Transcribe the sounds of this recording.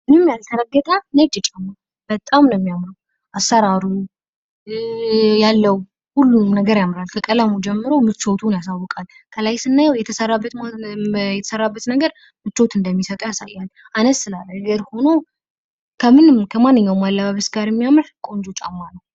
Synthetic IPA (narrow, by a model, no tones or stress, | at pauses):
mɨnɨmjalt̪ʰəɾəɡːət̪ʼənəd͡ʒɛt͡ʃʼamːa | b̥ət̪ʼamnəmːijamɾəw | ʔasːəɾaɾu | jalːəw | hulːunəɡəɾjamːɾalkʰəkʼəlamud͡ʒɛmːɨɾomɨt͡ʃːo̞t̪ʰunjasawːɔkʼal | kʰəlajsɨnːajawjɛt̪ʰəsərːabːət̪mjɛt̪ʰə̥sərːabːət̪nəɡəɾ | mɨt͡ʃːot̪ɨnd̪əmːisət̪ʼəwjasa̰jːal | anəsːɨlalːəɡəɾho̞now | kʰəmɨnɨmkʰəmanːɨɲːawmalːaβaβəsɡaɾjɛmːijamɾkʼo̞nd͡ʒot͡ʃʼa̰mːalːə